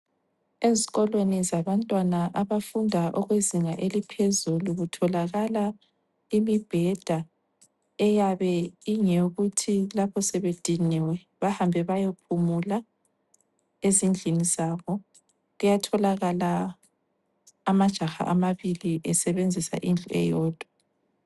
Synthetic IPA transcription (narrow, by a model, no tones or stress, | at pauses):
eziɣɔlwenizaβantʼwanaʔaβafundʱaʔɔɣweziŋaʔelipʰezuluɣutʰɔlaɣala | imib̥ʱɛd̥ʱa | ɛjaβɛiŋɛuɣutʰilapʰɔsɛβed̥ʱiniwɛ | βahambʱɛβajopʰumula | ezind͡ɮʱinizaβɔ | ɣujatʰɔlaɣala | mad̥ʒ̥ʱaxa̰ʔamaβiliʔɛsɛβend͡zʱisa̰ʔind͡ɮʱuɛ̰jɔːd̥ʱwa